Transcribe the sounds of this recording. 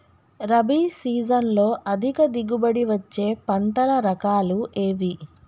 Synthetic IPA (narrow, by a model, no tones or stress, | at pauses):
ɾɐbiːsiːd͡ʒɐnlo̞ːʔɐd̪ʱikɐd̪iɡubɐɽiʋɐt͡ʃːe̞ːpɐɳʈɐɭɐɾɐkaːluʔeːʋi